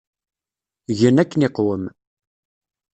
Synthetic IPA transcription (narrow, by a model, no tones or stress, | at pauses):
ʝənækːənɪqwəm